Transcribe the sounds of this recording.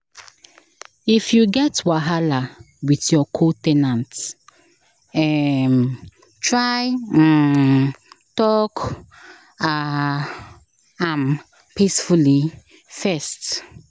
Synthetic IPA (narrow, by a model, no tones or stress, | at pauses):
ifjuɡɛtwaɦala | witjɔkʰɔtɛnãnt | ɛm | tɹaj̩ | tɔk | a | am | pisfuli | fɛst